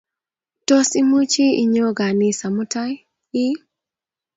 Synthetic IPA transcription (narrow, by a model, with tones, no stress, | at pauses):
to˦si˦mu˦t͡ʃi˦i˨ɲo˦ɡa˨ni˦sa˨mu˦ta˦j | i˦